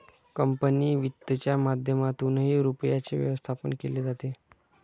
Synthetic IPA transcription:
kəmpəniːʋit̪ːət͡ɕjamad̪ʱjəmat̪unɦiːɾupjat͡seʋjə̰ʋəst̪ʰapənkeled͡zat̪e

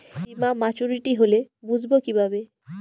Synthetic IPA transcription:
bimamat͡ɕuɾiʈiɦolebud͡ʑʱbokibʱabe

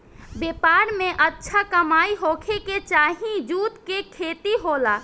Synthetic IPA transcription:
bepaɾmeʔətːʃʰakəmaiɦokʰeket͡ʃaɦĩd͡ʒut̪kekʰet̪iɦola

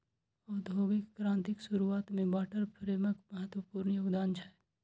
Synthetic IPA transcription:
ɔːd̪ʱoːɡɪkːɾãːnt̪ɪksʊɾuaːt̪mẽbaːʈəɾpʰɾeːməkməɦət̪wəpuːɾɳəjoːɡd̪aːnt͡ʃʰa

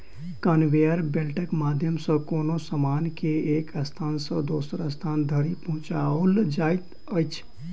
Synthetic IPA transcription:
kənʋejəɾbelʈəkmad̪ʱjəmsə̃koːnosəmaːnkeekəst̪ʰaːnsə̃d̪oːsəɾəst̪ʰaːnd̪ʱəɾipəɦʊ̃t͡ʃaold͡ʒajt̪ | əjt͡ʃʰ

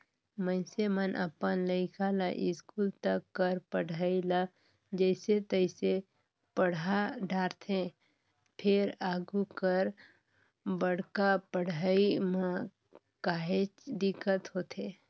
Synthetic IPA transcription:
mə̃ɪsemənʔə̰pənləɪkʰalaʔɪskuːlt̪əkːəɾpəɽʱaːila | d͡ʒəɪset̪əɪse | pəɽ̤aɖʱaːɾt̪ʰẽ | pʰɪɾaːɡukəɾ | bəɽ̤kapəɽʱaimã | kaːɦet͡ʃd̪ɪkːət̪ɦoːt̪eː

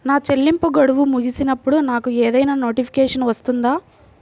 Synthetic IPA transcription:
naːt͡ʃelːimpuɡɐɽuʋumuɡisinɐpːuɽunaːkueːd̪ɐjnaːno̞ːʈipʰi̥keːʂɐnʋɐst̪und̪aː

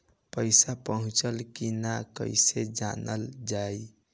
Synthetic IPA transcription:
pəjsapəɦũt͡ʃəlkinakə̰jsed͡ʒa̰nəld͡ʒaj

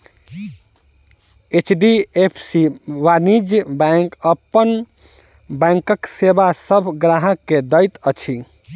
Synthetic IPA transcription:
et͡ʃɖiepʰsiʋanid͡ʒbãɪŋkəpːən | bɛ̃ŋkəksebasəbʱɡɾaɦəkːed̪əjt̪ət͡ʃʰi

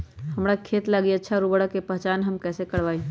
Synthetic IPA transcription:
həmɾakʰet̪laɡiətːʃʰaɾubəɽəkepəɦt͡ʃaːnɦəmkɛsekəɽʋai

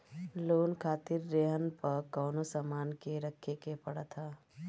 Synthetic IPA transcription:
loːnkʰaːt̪iɾːeɦənpəɾkəːnosəmaːnkeɾəkʰːekepəɽət̪ʰa

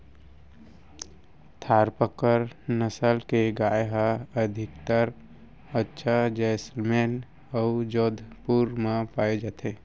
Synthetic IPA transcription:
t̪ʰaːɾpəkəɾnəsəlkeɡaːjɦaəd̪ʱɪkt̪əɾ | ətːʃʰad͡ʒɛːslmeːn | ɔud͡ʒoːd̪ʱpuɾmãpaːed͡ʒaːt̪ʰeː

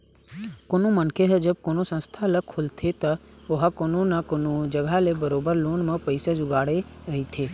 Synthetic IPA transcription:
koːnõmɐnkʰeɦd͡ʒəb̚koːnosə̃nst̪ʰaləkʰʊlt̪ʰet̪ɐʋʊɦakoːnõnakoːnod͡ʒəɡʱalebəɾoːbəɾloːnmẽpɐɪsad͡ʒʊɡaːɽeɾɐɦit̪ʰeː

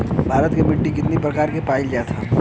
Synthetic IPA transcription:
bʱaːɾət̪kemɪɖːikɪt̪nipɾɐkaːɾkepaːɪld͡ʒaːt̪ʰaː

